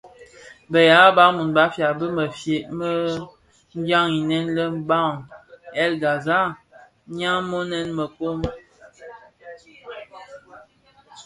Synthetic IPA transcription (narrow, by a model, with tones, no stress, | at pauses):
bə˨ja˨˦ba˨˦mu˨nba˨˦fja˨bə˦mə˨fje˨ʔmə˦ | ŋ˦ɡa˦ŋi˨nɛ˦nlə˦m̩˦ba˦˨ŋɛ˦˨lɡa˨za˦˨ | ɲa˦mo˦nɛ˦nmə˨ko˦m